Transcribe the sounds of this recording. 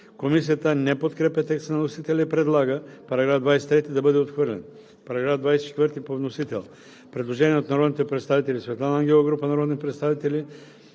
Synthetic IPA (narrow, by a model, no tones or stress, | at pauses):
komisijat̪ənɛpot̪kɾɛpɛt̪ɛkst̪nanosit̪ɛlɛipɾɛd̪lˠaɡəpaɾaɡɾavd̪vajsɛ̥t̪ɾɛt̪id̪abəd̪ɛot̪xvəɾlɛ̰n | paɾaɡɾavd̪vajsɛt͡ʃɛ̥t̪vəɾt̪ipovnosit̪ɛ̰lˠ | pɾɛd̪lˠoʒɛnijɛot̪naɾod̪nit̪ɛpɾɛt̪st̪avit̪ɛlʲisvɛt̪lˠanaaŋɡʲɛlˠoɡɾupanaɾod̪nipɾɛt̪st̪avit̪ɛli